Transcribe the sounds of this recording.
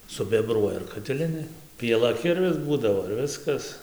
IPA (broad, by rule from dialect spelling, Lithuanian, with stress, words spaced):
sʊbʲɛˈbruɔjɛ ɪr kɐtʲɪˈlʲɪnʲeː pʲiɛˈlˠɐ ˈkʲɪrʲʋʲɪs ˈbuːdɐʋoː ɪr ˈʋʲɪskɐs